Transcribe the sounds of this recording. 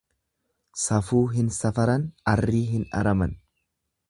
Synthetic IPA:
sɐfuːɦɪnsɐfɐɾɐnɐrːiːɦɪnɐ̰ɾɐmɐn

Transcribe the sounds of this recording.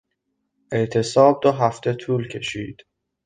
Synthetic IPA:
ʔe̞ʔt̪ʰe̞sɒːb̚d̪oɦæft̪ʰe̞t̪ʰuːlcʰe̞̰ʃiːd̪̥

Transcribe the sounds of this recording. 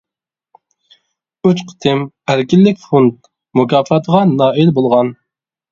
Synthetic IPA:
yt͡ʃqʰə̥t̪ʰɪm | æɾkʲilːɪkʲfont̪̚ | mukʰʲɑːfɑt̪ʰəʁɑnɑːilbolˠʁɑn

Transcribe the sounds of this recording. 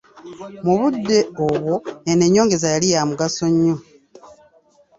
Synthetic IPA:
muβudːe̞oβwo̞eneɲːo̞ːŋɡe̞zajalijamuɡaso̞ɲːo

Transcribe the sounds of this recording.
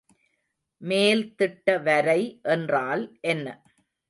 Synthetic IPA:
meːlt̪ɪʈːɐʋɐɾɐɪʔɛndraːlʔɛnːɐ̰

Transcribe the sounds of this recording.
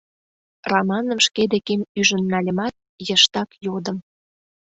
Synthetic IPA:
rɑmɑnə̆mʃked̪ekemyʒə̆nːɑlʲə̆mɑt̪̚ | jə̆ʃt̪ɑkjod̪ə̆m

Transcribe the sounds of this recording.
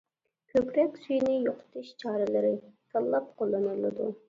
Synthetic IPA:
kʲʰøkʲɾɛkʲsyjnɪjoqʰʊ̥t̪ʰɨʃt͡ʃʰɑːɾɪlɪɾɪsɑlˠːɑp̚qʰolˠːɨnɨlˠːɨd̪u

